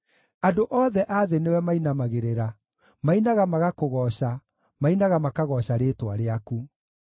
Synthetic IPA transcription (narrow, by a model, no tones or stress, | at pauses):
adoʔɔːðɛʔaðenewɛmainamaɣeɾeɾa | mainaɣamaɣakoɣɔɕa | mainaɣamakaɣɔɕaɾeːtwaɾeaku